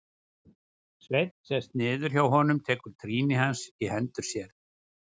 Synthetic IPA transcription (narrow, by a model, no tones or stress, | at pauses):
svejt̪n̥sɛst̪nɪːðʏɾ̥çjawɦɔnʏmt̪ʰɛːkʏɾ̥t̪ʰɾiːnɪhansihɛnt̪ʏɾ̥sjɛɾ̥